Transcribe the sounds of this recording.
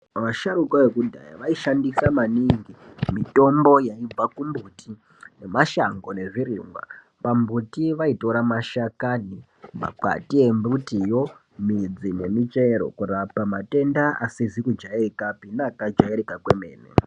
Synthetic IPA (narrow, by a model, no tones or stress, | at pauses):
ʋaʃaɾukwaʋe̞kudʱa̰ja̰ʋaiʃandisamaniŋɡimito̞mbo̞jaib͡vakumbuːtʰi | ne̞maʃaŋɡo̞ne̞ʐiɾḭːŋɡwa̰ | pambutiʋaito̞ɾamaʃakani | ma̰ǃa̰tie̞mbutijo̞ | mid͡zine̞mit͡ʃe̞ɾo̞̰kurapamate̞ndaʔasizikud͡ʒaerikapinakad͡ʒaeɾikakweme̞̰ːnḛ